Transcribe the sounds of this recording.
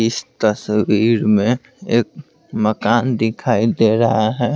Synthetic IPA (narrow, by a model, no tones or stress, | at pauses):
st̪əswiːɾmẽ | eːk̚ | məkaːnd̪ɪkʰaːid̪eːɾɐɦaɦɛː